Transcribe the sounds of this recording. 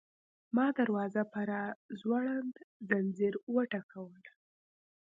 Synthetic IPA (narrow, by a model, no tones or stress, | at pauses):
mɑd̪aɾwɑzapaɾazwaɽand̪zanziɾwəʈakʰawəl